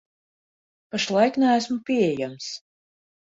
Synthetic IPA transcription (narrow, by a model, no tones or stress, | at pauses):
paʃlˠajknæːsmupʲiɛjams